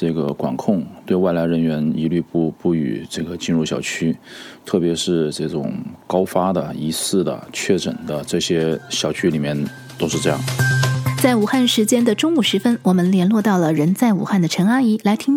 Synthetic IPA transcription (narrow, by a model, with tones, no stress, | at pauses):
ʈ͡ʂɤ˥˩ɡə˩kwa̰˨˩nkʰʊ˥˧ŋt̪we˥˧ɪwa˥˩ɪla˧˥ɪɻə˧˥nɥɛ˧˥nḭ˧˥ly˥˧pu˥˧pu˥˩y̰˨˩ʈ͡ʂɤ˥˩ɡə˩t͡ɕi˥˧nɻu˥˩ɕjɑ˨˩ʊt͡ɕʰy˥t̪ʰɤ˥˩pjɛ˧˥ʂɻ̩˥˧ʈ͡ʂɤ˥˩ʈ͡ʂʊ̰˨˩ŋkɑ˥ʊfa˥d̪ə˨i˧˥sɹ̩˥˩d̪ə̰˩t͡ɕʰɥɛ˥˩ʈ͡ʂə̰˨˩nd̪ə˦ʈ͡ʂɤ˥˩ɕjɛ˥ɕjɑ˨˩ʊt͡ɕʰy˥li˨˩mjɛ˥˧n | t̪o˥ʊʂɻ̩˥˧ʈ͡ʂɤ˥˧jɑ̰˥˩ŋt͡sa˥˩ɪu˨˩xa˥˩nʂɻ̩˧˥t͡ɕjɛ˥nd̪ə˨ʈ͡ʂʊ˥ŋu˥˩ʂɻ̩˧˥fə˥nwɔ˨˩mə˧˦nljɛ˧˥nlwɔ˥˧t̪ɑ˥˩ʊlə˩ɻə˧˥nt͡sa˥˩ɪu˨˩xa˥˩nd̪ə˩ʈ͡ʂʰɤ˧˥ŋa˥i˧˥la˧˥ɪt̪ʰi˥ŋ